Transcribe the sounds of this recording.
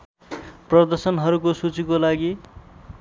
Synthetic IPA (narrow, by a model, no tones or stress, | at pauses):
prʌd̪ʌrsʌnɦʌɾukosut͡sikolaɡi